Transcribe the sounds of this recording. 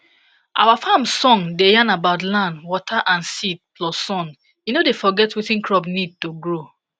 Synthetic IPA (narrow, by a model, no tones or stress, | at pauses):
ʔa̰wafãmsɔ̃ŋdejãnabaʊtlãndwɔtʰaʔãnsit̚plɔsɔ̃n | jinodefɔɡɛtwetĩnkɹɔbnid̚toɡɹo